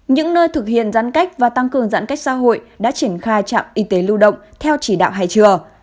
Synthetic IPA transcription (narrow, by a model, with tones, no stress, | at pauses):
ɲɨ̰˧˥ŋnəː˧jt̪ʰɨ˨˩k̚hḭ˧˨ənza̰˧˥nka˦˥k̟̚vaː˨˩t̪a˧ŋkɨ˨˩əŋza̰ː˧˥nka˦˥jk̟̚sa̰ː˧˥ɦo̰˧˨j | ɗa̰ː˧˥t͡ɕi˧˩ənxaː˧jt͡ɕa̰ː˧˨mʔi˨˧˦t̪e˨˦lu˧ɗə̰˧˨wŋ͡mt̪ʰɛ˧wt͡ɕi˧˩ɗa̰ː˧˨wɦa̰ː˧˨jt͡ɕɨ˨˩ə